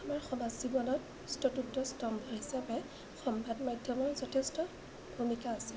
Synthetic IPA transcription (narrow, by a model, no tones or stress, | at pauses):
amaɹxɔmazzibɔnɔt | stɔtutːɔstɔmbʱɔɦisapɛ | xɔmbʱadmajdʱjɔmɔɹzɔtʰestɔ | bʱumikaːsɛ